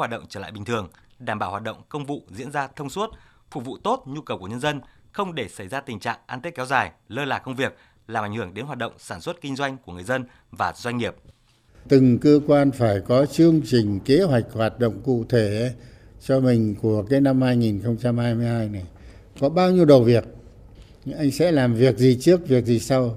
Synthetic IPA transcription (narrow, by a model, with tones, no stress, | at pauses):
haː˨˩ɗə̰˧˨wŋ͡mt͡ɕəː˧˩la̰ː˧˨jɓï̟˨˩t̪ʰɨ˨˩əŋɗaː˧˩mɓaː˧˩waː˨˩t̚ɗə̰˧˨wŋ͡mkə˧wŋ͡mvṵ˧˨zḭ˧˥ənzaː˧t̪ʰə˧wŋ͡mswə˦˥t̚ | fu˨˧˩vṵ˧˨t̪o˦˥t̚ɲu˧kə˨˩wkəɲə˧nzə˧nxə˧wŋ͡mɗe˧˩sa˧˩jzaː˧t̪ï˨˩ŋ̟t͡ɕa̰ː˧˨ŋʔaː˧nt̪i˦˥k̚ɛ˨˦wzaː˨˩jləː˧la̰ː˨˩kə˧wŋ͡mvi˨˩ək̚ | laː˨mʔŋhɨ˧˩əŋɗe˨˦nɦwaː˨˩t̚ɗə̰˧˨wŋ͡msaː˧˩nswə˦˥t̚kï˧ŋzwa˧jŋ̟ku˧˩əŋɨ˨˩ə˩jzə˧n | vaː˨˩zwa˧jŋ̟ŋi˨˩əp̚ | t̪ɨ˨˩ŋkəː˧kwaː˧nfaː˧˩jkɔ˨˦t͡ɕɨ˧əŋt͡ɕi˨˩ŋ̟ke˨˦ɦwa˨˩jk̟̚hwaː˨˩t̚ɗo̰˧˨wŋ͡mkṵ˧˨t̪ʰe˧˩˦ | t͡ɕɔ˧mï˨˩ŋ̟ku˧˩əkaː˨˦jna˧mhaː˧jŋi˨˩nxə˧wŋ͡mt͡ɕa˧mhaː˧jmɨ˧əjɦaː˧jna˨˩j | kɔ˨˦ɓaː˧wɲi˧əwɗə˨˩wvi˨˩ək̚ | ʔa˧jŋ̟sɛ̰˧˥laː˨˩mvi˨˩ək̚zi˨˩t͡ɕɨ˦˥ək̚vi˨˩ək̚zi˨˩sa˧w